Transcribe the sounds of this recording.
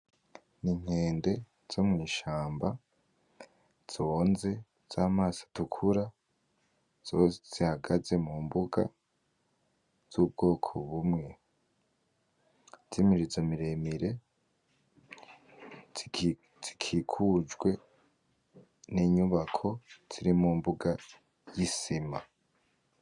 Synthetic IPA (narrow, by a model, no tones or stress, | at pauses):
niŋ̥he̞ːnde̞ | z̥omŋiːʃaːmba | z̥o̞ːnze̞ | z̥aːmaːsḁtukʰuɾa | z̥osez̥ihaɡaze̞muːmbuɡa̰ | z̥ub̚ɡ̥o̞ːkʰoβumŋe̞ | z̥imiɾizomiɾemiɾe̞ | z̥ikʰikʰud͡ʒwe̞ | niːɲuβakʰo̞z̥iɾimuːmbuɡa | jisima̰